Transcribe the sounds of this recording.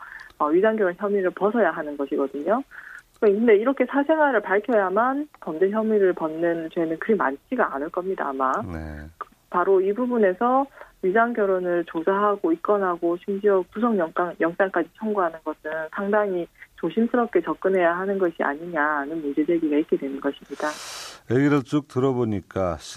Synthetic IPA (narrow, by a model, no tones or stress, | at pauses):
ʌɥisʰaŋɡjʌɾonçjʌmiɾɯɭpʌsʰʌjaɦanɯnɡʌɕʰiɡʌdɯɲo | ɯɯnde̞iɾʌkʰe̞sʰasʰe̞ŋɦwaɾɯɭpaɭkʰjʌjamankʌmd͡ʑeçjʌmiɾɯɭpʌnːɯnt͡ɕwe̞nɯnkɯɾima̰nt͡ɕʰiɡaa̰nɯɭk͈ʌmɲida̰ːmak | paɾoibubune̞sʰʌɥisʰaŋkjʌɾonɯɭt͡ɕosʰaɦaɡoik͈̚ʌnɦaɡoɕʰimd͡ʑiʌkusʰʌŋjʌŋs͈aŋjʌŋs͈aŋk͈ad͡ʑit͡ɕʰʌŋɡuɦanɯnɡʌsʰɯnsʰaŋdaŋit͡ɕoɕʰimsʰɯɾʌp̚k͈e̞t͡ɕʌp̚k͈ɯnɦe̞jaɦanɯnɡʌɕʰiʔa̰ɲiɲanɯnmund͡ʑe̞d͡ʑeɡiɡait̚k͈e̞dwenɯnɡʌɕʰimɲidaeɡiɾɯɭt͡ɕ͈ok̚tɯɾʌboɲik͈aɕʰ